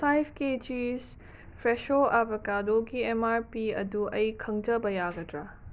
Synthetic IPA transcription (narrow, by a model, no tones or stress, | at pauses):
sajpʰked͡ʒis | pʰɾeʃoʔabɐkadoɡiemaɾpiɐ̰duɐjkʰɐŋd͡ʒɐbɐjaɡɐdɾa